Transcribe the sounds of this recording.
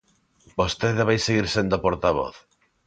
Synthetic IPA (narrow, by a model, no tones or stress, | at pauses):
bost̪eðeβajseɣiɾsend̪oapoɾt̪aβɔ̰θ